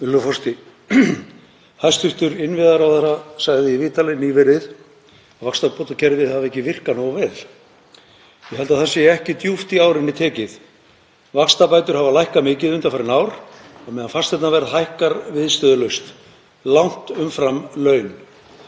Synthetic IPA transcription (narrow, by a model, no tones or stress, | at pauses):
ʏlːʏfɔrst̪ɪ | hajst̪hʏht̪ʏɾɪnvɪðaɾawθaɾasaɣðɪiviːt̪alɪnivɪɾɪð | avakst̪apɔt̪acʰɛɾðɪðhavaɛhcɪvɪr̥kanɔwavɛːl | jɛɦɛlt̪aðθɛsɪɛɛhcɪt̪juft̪iawɾɪnːɪt̪ʰɛːcɪð | vakst̪apajt̪ʏɾ̥havalajhkamɪːcɪðʏnt̪afaːɾɪnaːwɾ | amɛðanfast̪θɛt̪navɛɾðhajhkaɾvɪðst̪œːðʏlœɥst̪ | lawŋ̥t̪ʏmfɾamlœːɥn